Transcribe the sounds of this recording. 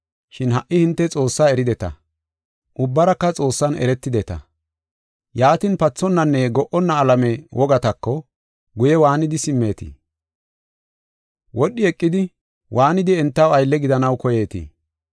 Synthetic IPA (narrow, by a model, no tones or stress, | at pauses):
ʃɪnhɐʔːɪhɪnt̪ːɛt͡sʼo̞ːsːaːɛɾɪd̪ɛt̪ɐ̰ | ʔʊbːɐɾɐkːɐt͡sʼo̞ːsːɐnɛ̰ɾɛt̪ːɪd̪ɛt̪ɐ̰ | jaːt̪ɪnpɐt͡sːɔnːɐnːɛɡɔʔɔnːɐːlɐmɛwʔɔɡɐt̪ɐkːɔ | ɡʊjɛwaːnɪd̪ɪsɪmːe̞ːt̪ḭ | wʔɔɗːɪɛkʼːɪd̪ɪ | wʔaːnɪd̪ɪɛnt̪ːɐwɐjlːɛɡɪd̪ɐnɐwkɔje̞ːt̪ḭ